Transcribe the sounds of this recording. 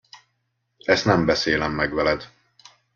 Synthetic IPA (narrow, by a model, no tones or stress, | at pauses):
ɛst̪nɛmbɛseːlɛmːɛɡvɛlɛd̪